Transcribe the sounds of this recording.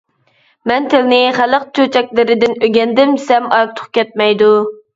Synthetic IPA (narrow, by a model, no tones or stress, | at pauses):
mɛnt̪ʰɪlɪnɪχæləq̚t͡ʃʰøt͡ʃʰɛk̚ʲlɪɾɪd̪ɪnøɡʲɛnd̪ɪmsɛmɑɾt̪ʰʊ̥χkʲʰɛt̪̚mɛjd̪u